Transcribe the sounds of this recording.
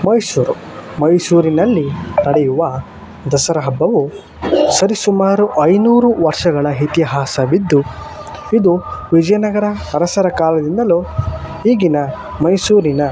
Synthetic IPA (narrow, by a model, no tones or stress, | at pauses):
mɐjsuːɾu | mɐjsuːɾinɐlːinɐɽɛjuʋɐ | d̪ɐsɐɾɐɦɐbːɐʋu | sɐɾisumaːɾuʔɐjnuːɾuʋɐɾʂɐɡɐɭɐɦit̪iɦaːsɐʋid̪ːu | id̪uʋid͡ʒɐjɐnɐɡɐɾɐɐɾɐsɐɾɐkaːlɐd̪ind̪ɐlohiːɡinɐ | mɐjsuːɾinɐ